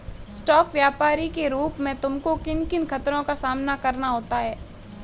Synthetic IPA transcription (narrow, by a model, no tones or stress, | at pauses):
sʈɔːkʋjaːpaːɾikeɾuːpmẽt̪ʊmkokɪnkɪnkʰɐt̪ɾõkasaːmnakɐɾnaɦoːt̪aɦɛː